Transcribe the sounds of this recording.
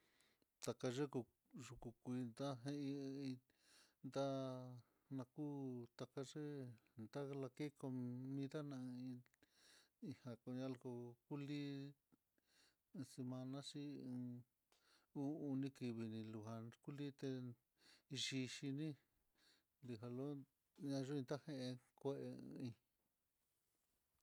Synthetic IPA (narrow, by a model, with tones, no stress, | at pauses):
t̪a˨ka˧ʐe˦ku˧ | ʐu˧ku˧kʷi˧nd̪a˦ɦẽ˧ĩ˧ĩ˧ | nd̪a˦ | nã˧ku˦t̪a˧ka˧ʐe˦nd̪a˦la˧ke˦ko˧mĩ˧ða˦nã˧ĩ˧ | i˧ha˧ko˧ɲã˧lko˧ku˦li˦˧ | se˧mã˧nã˦ʂĩ˦˧ | u˦u˧nĩ˧ki˧βi˧nĩ˧lu˧ɦa˧ku˦li˦t̪e˧ | i˧ʃi˧ʃi˧nĩ˦ | li˧ɦa˧lo˦ | ɲã˧ʐe˦ĩ˧nt̪a˦hẽ˧ʔẽ˧kʷe˦˧ʔḛ˧ĩ˧